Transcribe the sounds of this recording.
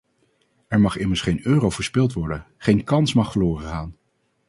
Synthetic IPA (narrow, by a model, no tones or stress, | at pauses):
ɛɹmɑχɪməɹsχejnøːrowvəɹspɪlˠtʋɔɹdən | χejnkɑnsmɑχfəɹlʊːrəχaːn